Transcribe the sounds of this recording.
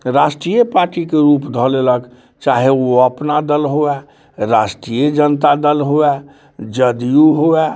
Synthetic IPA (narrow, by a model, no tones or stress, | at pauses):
ɾasʈɾijəpaɾʈikeɾupd̪ʱɔlelək | t͡ʃaɦeoəpnad̪əlɦoɛ | ɾasʈɾijed͡ʒənt̪ad̪əlɦoɛ | d͡ʒəd̪ijuɦoɛ